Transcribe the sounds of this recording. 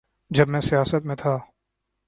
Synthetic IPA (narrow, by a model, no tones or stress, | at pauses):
d͡ʒɐbmɛ̃sijaːsət̪mẽt̪ʰaː